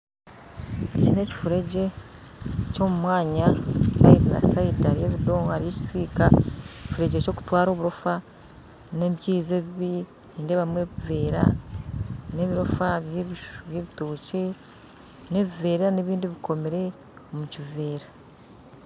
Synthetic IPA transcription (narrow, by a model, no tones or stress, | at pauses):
ecine̞ːci̥fuɾe̞ɟe̞ | co̞ːmumwaːɲasa̰idina̰saidaɾijeβido̞ːŋɡaɾije̞ːci̥siːkaeci̥fuɾe̞ɟeco̞ːku̥twaːɾo̞ːβuɾo̞fa | ne̞βiciːzeβiβi | niːndeβamwe̞βive̞ːɾa̰ | ne̞βiɾo̞faβiʃβje̞βitoːce̞ | ne̞βive̞ːɾeɾaneβiːndiβiko̞meɾe̞ | omucive̞ːɾa